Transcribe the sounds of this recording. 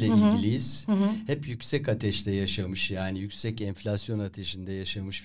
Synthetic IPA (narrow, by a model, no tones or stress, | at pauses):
ɛiilʲiz̥hɛpjycsɛcat̪ʰɛʃt̪ɛjaʃamɯʃjaːnijycʲsɛcɛnɱflʲasjo̞nat̪ʰeʃind̪ɛjaʃamɯʃ